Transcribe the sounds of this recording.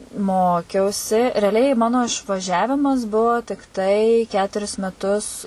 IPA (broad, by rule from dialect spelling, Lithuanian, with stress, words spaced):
ˈmoːkʲɛʊsʲɪ rʲɛɐˈlʲɛɪ ˈmɑːnoː ɪʃʋɐˈʒʲæːʋʲɪmɐs ˈbʊʋoː tʲɪkˈtɐɪ ˈkʲæːtʊrʲɪs mʲɛˈtʊs